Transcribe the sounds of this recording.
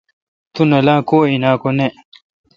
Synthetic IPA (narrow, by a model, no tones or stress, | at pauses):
t̪unɐlaːkoːinaːkone